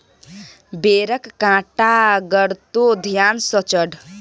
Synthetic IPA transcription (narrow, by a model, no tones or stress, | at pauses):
beɾʌkkãʈaɡʌɾt̪od̪ʱjansʌt͡sʌɽ